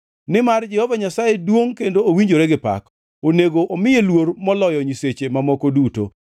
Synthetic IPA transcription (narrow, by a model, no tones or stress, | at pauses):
nɪmard͡ʒɛhovaɲasajedwoŋkendoowiɲd͡ʒoɾeɡɪpa̰k | oneɡoʔomɪjelwoɾmɔlɔjɔɲiset͡ʃemamɔkoduto̰